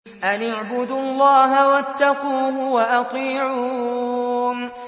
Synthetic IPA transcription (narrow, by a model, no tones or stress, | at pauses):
ʔanaʕbʊd̪ʊɑlˤːɑːɦawat̪ːɑquːɦʊwaʔɑt̪ˤiːʕuː